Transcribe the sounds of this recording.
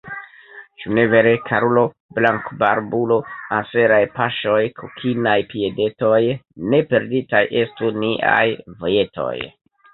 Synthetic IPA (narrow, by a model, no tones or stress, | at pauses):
t͡ʃune̞ve̞ɾe̞kʰaɾulo̞ | blaŋkbaɾbulo̞anse̞ɾajpaʃo̞jkʰokʰinajpie̞de̞to̞jne̞pe̞ɾditajʔe̞stuniʔa̰jvo̞je̞to̞̰j